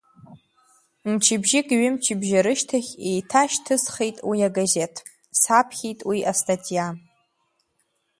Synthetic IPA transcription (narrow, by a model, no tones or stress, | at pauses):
mt͡ʃʰibʒɪkʼɥɪmt͡ʃʰɪbʒaɾɨʃtʰaχʲejtʰaʃtʰɨsχejtʼwiaɡaze̞tʰ | sapʰχʲejtʼwiʔastʰʼatʼija